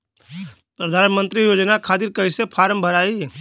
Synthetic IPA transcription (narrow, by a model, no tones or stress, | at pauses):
pɾəd̪ʱaːnmə̃nt̪ɾijoːd͡ʒnakʰaːd̪iɾkəisepʰaːɾəmbʱəɾaːi